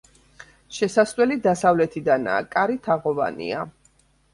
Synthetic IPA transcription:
ʃɛsaswɛlid̪asavlɛt̪ʰid̪ana̰ːkʼaɾit̪ʰaʁɔva̰nḭa

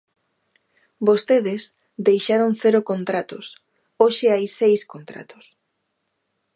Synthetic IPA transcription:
bost̪eðɪs | d̪ejʃaɾoŋθeɾokont̪ɾat̪os | oʃeajsejskont̪ɾa̰t̪o̥s

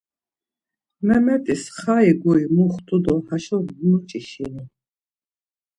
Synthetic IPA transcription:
mɛmɛt̪ʼisχaiɡuimuχt̪ʰʼud̪ɔhaʃɔmut͡ʃʼiʃini

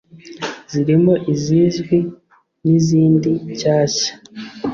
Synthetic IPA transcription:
z̥iɾimoʔiziʒɡwi | niziːndiɟaːɕḁ

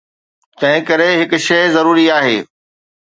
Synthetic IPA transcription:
t̪ɐ̃ɦɪ̃kɐɾeɦɪkʊ̆ʃɐzɐɾuːɾiaːɦḛː

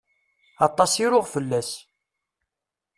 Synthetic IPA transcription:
ɑt̪ˤːɑsiɾʊʁfəlːæs

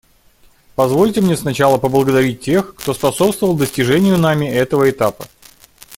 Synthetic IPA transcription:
pɐzvo̞lʲtʲɪmnʲesnɐt͡ɕalˠəpəblˠəɡəd̪ɐɾʲit̚ʲtʲːe̞xkt̪o̞spɐso̞pst̪vəvəlˠd̪əsʲtʲɪʐɛnʲɪjʊnamʲɪɛt̪əvəɪt̪apə

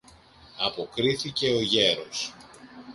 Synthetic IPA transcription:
ɐpo̞kɾiθice̞o̞ʝe̞ɾo̞s

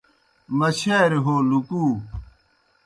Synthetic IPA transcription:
mɐɕeːɾɦoːlukuː

